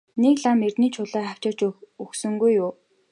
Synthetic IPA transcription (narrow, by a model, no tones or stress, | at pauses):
nekɮamert̪niːt͡ɕʰʊɮæːχaw̥t͡ɕɪ̆ːt͡ɕɵxsɵ̆ŋɡujːʊː